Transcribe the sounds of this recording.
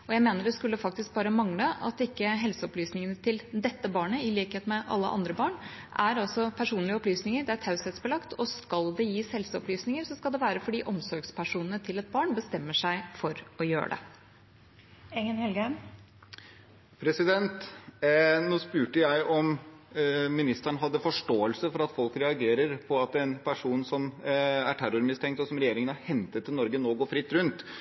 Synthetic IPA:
ɔjæɪmeːnəɖɛskʉlːəfɑk̚t̪ɪsk̚bɑːɾəmɑŋləʔɑ̰t̪ɪkːəɦɛlsəɔplyːsnɪŋənət̪ʰɪld̪ɛt̪ːəbɑːɳəɪliːkheːt̪mɛʔɑ̰lːəʔɑ̰nd̪ɾəbɑːɳ | ʔæɾɑlsɔpʰæʂuːnlɪəɔplyːsnɪŋəɾɖ̪ɛæt̪ʰɑʉsɛt̪sbəlɑkt̪ʰɔskɑld̪ɛjiːshɛlsəɔplyːsnɪŋəɾsɔskɑld̪ɛʋæːɾəfɔɖiːʔɔmsɔɾɡspʰæʂuːnən̩ət̪ʰɪlɛt̪̚bɑːɳbəst̪ɛmːəʂæɪfɔɾɔjø̰ːɖɛ̰ | ɛŋənhɛlɡən | pʰɾɛsɪd̪ɛnt̪ | nuːspʉːʈəjæɪʔɔm | mɪnɪst̪əæɳɦɑd̪ːəfɔʂʈoːəlsəfɔɾɑt̪fɔlkɾɛɑɡeːɾəɾpʰɔɑt̪ɛnpʰæʂuːnsɔmæʈʰæɾʊɾmɪst̪ʰɛŋkt̪ɔsɔmɾɛjeːɾɪŋənɑhɛnt̪ət̪ʰːɪlɔɾɡənoːɡoːfɾɪt̪ːɾʉnt̪

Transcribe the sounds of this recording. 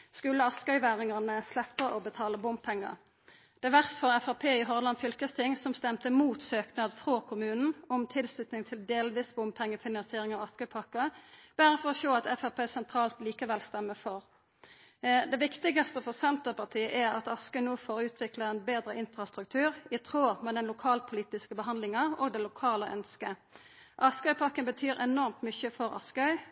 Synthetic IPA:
skʉlːəɑskœʏʋæːʁɪŋɑʁnəslɛpːəʔɔbət̪ʰɑːləbʊmpʰɛŋːə̰ | d̪̥ɛʋæʁst̪fɔʁɛfɑʁpʰeːɪɦɔʁlɑnfʏlkəst̪ʰɪŋsɔmst̪ɛmt̪əmuːt̪søːknɑd̪fʁokʰʊmʉːnn̩ɔmt̪ʰɪlslʉt̪nɪŋt̪ʰɪld̪eːlʋiːsbʊmpʰɛŋːəfɪnɑnsɪeːʁɪŋɑɑskœʏpʰɑkːəb̥æːʁəfɔʁɔʃoːɑt̪ɛfɑpʰeːsɛnt̪ʰʁɑːlt̪liːkəʋɛlst̪ɛmːəfɔʁ | d̪ɛʋɪkt̪ɪɡɑst̪əfɔʁsɛnt̪əpɑʁt̪ʰiːəʔæʁɑt̪ɑskœʏnoːfoːɾʉːt̪ʰʋɪkləɛnbeːd̪ɾəʔɪnfʁɑst̪ʁʉk̚t̪ʰʉːʁɪt̪ʰʁoːmɛd̪ɛnlʊkʰɑːlpʰʊliːt̪ɪskəbəɦɑnd̪lɪŋɑoːɡd̪ɛlʊkʰɑːləʔœ̰nskə | ʔɑskœʏpʰɑkːənbət̪ʰyːɾɛnɔʁmt̪mʏçəfɔɾɑ̰skəœʏ

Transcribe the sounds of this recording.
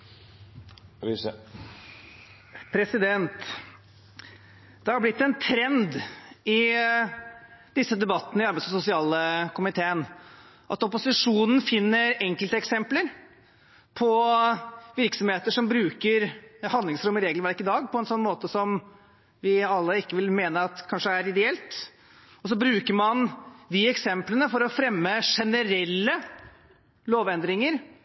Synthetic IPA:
pʰɾɛsɪd̪ɛnt̪ | d̪ɛhɑɾblɪt̪ːɛnt̪ʰɾɛnd̪ɪ | d̪̥ɪsːəd̪ɛbɑt̪ːnəɪɑɾbæɪsɔsʊsɪɑːləkʊmɪt̪ʰeːən | ʔɑ̰t̪ɔpʊsɪʂuːnn̩fɪnːəɾɛŋkəlt̪əɛksɛmpləɾ | pʰɔ | ʋɪɾksɔmheːt̪əʂɔmbɾʉːkəɾhɑnd̪lɪŋsɾʊmːəɾeːɡlʋæɾkɪd̪ɑːɡpʰɔɛnsɔnːmoːt̪əsɔm | ʋɪɑlːəɪkːəʋɪlmeːnəɑt̪kʰɑnʂəæɾɪd̪ɛɛlt̪ | ɔs̬ɔbɾʉːkəɾmɑnd̪ɪɛksɛmplənəfɔɾɔfɾɛmːəʂɛnəɾɛlːə | loːʋɛnd̪ɾɪŋəɾ

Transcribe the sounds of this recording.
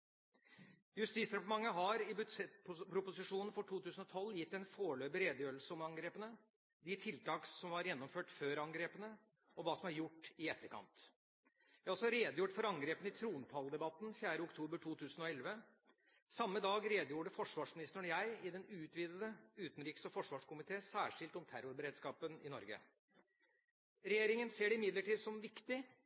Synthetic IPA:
jʉst̪it̪sɾɛpʊʈəmɑŋːəɦɑɾɪbsɛppɾʊpʊsɪʂuːnən̩fɔʈʰuːt̪ʉːsn̩ɔt̪ʰɔlːjɪt̪ːɛnfoːɭøːbəɾeːd̪əjøːlsəɔmɑŋɡɾeːpənə | d̪ɪt̪ʰɪlt̪ɑːksɔmʋɑɾjɛnːɔmføːʈføːɾɑŋɡɾeːpənə | ɔʋɑːsɔmhɑɾjʊʈːɪɛt̪ːəɾkʰɑ̰nt̪ | jæɑlsɔɾeːd̪jʊːʈfɔɾɑŋɡɾeːpənəɪt̪ʰɾuːnpʰɑld̪ɛbɑt̪nfjæːɾəʊkt̪ʰuːbəʈʰuːt̪ʰʉːsənɔɛlʋə | sɑmːəd̪ɑːɡɾeːd̪juːɖəfɔʂʋɑːʂmɪnɪst̪əɳjæɪɪd̪ɛnʉːt̪ʋiːd̪əd̪əʉːt̪n̩ɾiːksəfɔʂʋɑːʂkʊmɪt̪ʰeːsæːʂɪlt̪ɔmt̪ʰæɾʊɾbəɾeːd̪skɑːpənɪ̰nɔ̰ɾɡə̰ | ɾɛjeːɾɪŋənseːɖɛɪmɪd̪ləʈʰiːd̪sɔmʋɪkt̪ɪ

